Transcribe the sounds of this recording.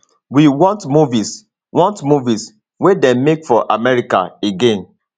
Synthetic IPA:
wiwɔ̃ntmuvis | wɔ̃ntmuvis | wedɛ̃nmekfɔʔamɛɹika̰eɡẽn

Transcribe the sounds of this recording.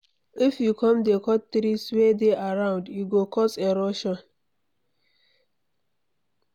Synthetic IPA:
ifjukʰɔ̃mdekʰɔttɾiswedeʔaɹãʊ̃ndjuɡokʰɔseɾoʃɔ̃n

